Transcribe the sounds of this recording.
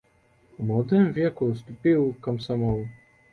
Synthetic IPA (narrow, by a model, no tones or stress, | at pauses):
wmwɔd̪ɛmvʲjɛkust̪upiwkamsamɔw